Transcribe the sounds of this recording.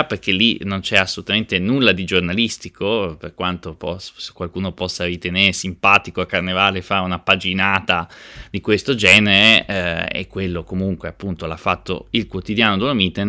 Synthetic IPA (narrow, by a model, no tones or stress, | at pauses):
perkelːinont͡ʃɛasːolut̪ament̪enulːad̪id͡ʒornalist̪ikʰoperkwant̪opɔse̥kwalkuːnopɔsːaɾit̪eneːɾesimpaːt̪ikoakːarnevaːlefaɾeunapad͡ʒinaːt̪ad̪ikwest̪od͡ʒɛːneɾeḛkːwelːokomuŋkweapːunt̪olafːat̪ːo̰ilkwot̪id̪jaːnod̪uomit̪en